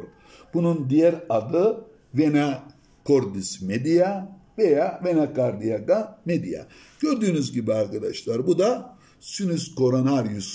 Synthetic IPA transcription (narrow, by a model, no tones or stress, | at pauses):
ɾ | b̥unund̪ijæɾad̪ɯ | vena | kʰo̞ɾd̪ismed̪ijavejavenakaɾd̪ijaɡamed̪ija̰ | ɟ̥ø̞ɾd̪yːnyzɟibiaɾkad̪aʃlˠaɾbud̪a | synysko̞ɾonaɾijus